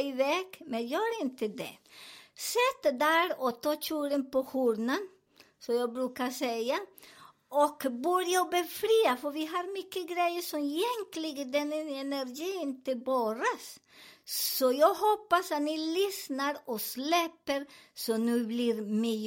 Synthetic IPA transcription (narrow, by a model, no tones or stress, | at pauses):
ɪʋɛːkmɛnjøːɾɪnt̪əd̪ɛ̰sɛt̪ːd̪æːɾɔt̪ʰɑːt͡ʃʰʉːɾənpɔhuɾnən | sɔjæɪɡbɾʉːkasɛɪa | ɔkbʉːɾjaɔbəfɾiːafɔɾʋɪɦɑɾmʏkːəɡɾæɪjəsɔmjɛŋklɪɡəd̪ɛnːəɛnæɾɡiːɪnt̪ɪbøːɾas | sɔjɑɡhoːpːasɑt̪nilʏsnəɾɔslɛpːəɾsɔnʉːblɪɾmi